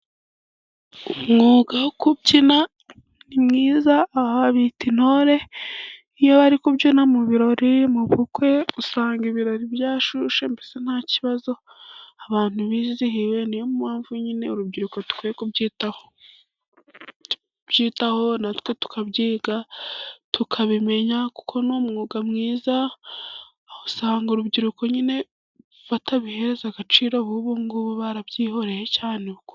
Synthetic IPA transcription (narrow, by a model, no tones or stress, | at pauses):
umŋuːɡaokubcina | nimŋiːzaːβaβaβitino̞ɾe̞ | ijoβaɾikubɟonamuβiɾo̞ɾimuβukwe̞usaːŋɡiβiɾo̞ɾibjaːʃuʃembese̞n̥haːciβazo̞ | aβaːn̥huβiːzihiwe̞nijomumaːɱvuɲine̞uɾubɟiɾuko̞tu̥kwijekubɟitaho | b̥ɟiːtaho̞natwe̞tu̥kʰaβɟiːɡatukʰaβime̞ɲaku̥kʰo̞noːmŋuːɡamŋiːza | hosaːŋɡuɾubɟiɾuko̞ɲine̞ | βatʰaβihe̞ɾezaɡat͡ʃiːɾoβuβuŋɡuβuβaɾabɟiːho̞ɾe̞jecaːneβuku